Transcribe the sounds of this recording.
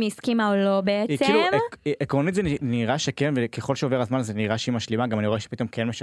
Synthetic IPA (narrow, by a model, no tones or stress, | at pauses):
miskimaolo̞beetikeilumiʔekʁonit̪zeniniʁaʃekenvekeχo̞lʃeoveʁazmanazeniʁaʃeimaʃlimaɡamaniʁo̞eʃe̥pit̪o̞mkʰenmeʃ